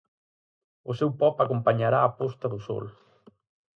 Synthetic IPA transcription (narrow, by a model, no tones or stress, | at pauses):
ʊsewpɔpakompaɲaɾaːpost̪ɐðʊsɔ̰l